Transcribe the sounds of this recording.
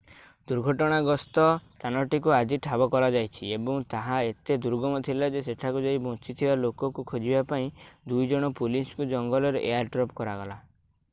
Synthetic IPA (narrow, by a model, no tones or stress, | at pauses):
d̪uɾɡʱɔʈɔɽ̃aɡɔst̪ɔst̪ʰanɔʈikuad͡ʒiʈʰabɔkɔɾad͡ʒajt͡ʃʰiebɔŋt̪aɦaet̪ed̪uɾɡɔmɔt̪ʰilad͡ʒeseʈʰakud͡ʒaibɔ̃t͡ʃit̪ʰibalokɔkukʰod͡ʒibapaĩd̪ujd͡ʒɔɽ̃ɔpuliskud͡ʒɔŋɡɔlɔɾeʔejaɾʈɾɔpkɔɾaɡɔla